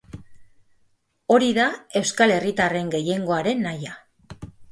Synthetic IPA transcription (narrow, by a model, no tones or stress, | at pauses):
o̞ɾiðae̞wskale̞rit̪are̞ŋɡe̞je̞ŋɡo̞aɾe̞nːaja